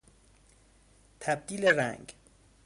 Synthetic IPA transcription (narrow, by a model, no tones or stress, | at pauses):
t̪ʰæb̚d̪iːleɾæ̰ŋɡ